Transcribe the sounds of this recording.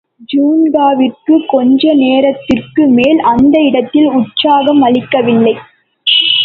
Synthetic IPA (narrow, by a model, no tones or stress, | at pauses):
d͡ʒuːnɡaːʋɪrkɯkɔɲd͡ʒɐneːɾɐt̪ːɪrkɯmeːlɐnd̪ɐɪɽɐt̪ːɪlʊʈsaːɣɐmɐɭɪkːɐʋɪlːɐɪ